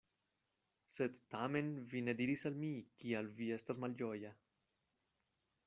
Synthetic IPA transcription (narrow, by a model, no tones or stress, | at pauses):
set̪t̪amenvined̪iɾisalmikialviest̪azmalʎɔja